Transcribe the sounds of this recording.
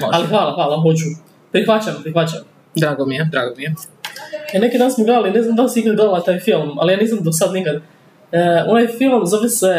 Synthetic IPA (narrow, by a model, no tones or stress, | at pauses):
moalixʋaːlˠaxʋaːlˠaɦot͡ʃu | pɾixʋat͡ɕampɾixʋat͡ɕam | d̪ɾaːɡomijed̪ɾaːɡomije | nekid̪aːnasmoɡled̪alineznamd̪alsiiɡd̪olat̪aːjfilˠma̰lijaːniːzamd̪osad̪nikad̪ | onajfilˠmzoʋjese